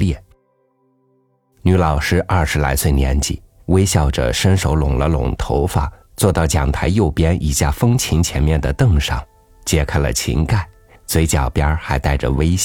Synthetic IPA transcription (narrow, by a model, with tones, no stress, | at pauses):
ljɛ˥˩ | ny˧˥lɑ˨˩ʊʂɻ̩˥ʔɐ˥˩ʂɻ̩˧˥la̰˧˥ɪt͡swe˥˩ɪnjɛ̰˧˥nt͡ɕḭ˨˩˦ | we˥ɪɕjɑ˥˩ʊʈ͡ʂə̰˩ʂə˥nʂo˧˥ʊlʊ̰˨˩ŋlə˦lʊ̰˨˩ŋt̪ʰo˧˥ʊfa˨˩˦ | t͡swɔ˥˧t̪ɑ˥˩ʊt͡ɕjɑ˨˩ŋt̪ʰa˧˥ɪjo˥˩ʊpjɛ˥nʔi˨˩ɕja˥˩fɤ˥ŋt͡ɕʰi˧˥nt͡ɕʰjɛ˧˥nmjɛ˥˩nd̪ə˩t̪ɤ˥˩ŋʂɑ̰˨˩˦ŋ | t͡ɕjɛ˥˩kʰa˥ɪlə̰˨t͡ɕʰḭ˧˥ŋka˥˩ɪ | t͡swe˧˥ɪt͡ɕjɑ˨˩ʊpjɑ˥xa˧˥ɪt̪a˥˩ɪʈ͡ʂə˩we˥ɪɕ